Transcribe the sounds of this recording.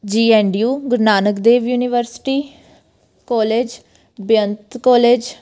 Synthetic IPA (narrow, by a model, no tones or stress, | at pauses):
d͡ʒiːɛɳɖijuːɡəɾnaːnəkd̪eːʋjuːnɪʋəɾsɪ̥ʈiː | kɔːleːd͡ʒ | bjənt̪kɔːleːd͡ʒ